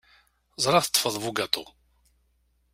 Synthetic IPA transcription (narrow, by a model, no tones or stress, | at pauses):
zˤɾˤɑθə̥t̪ˤːfəðˤvuɡat̪ˤo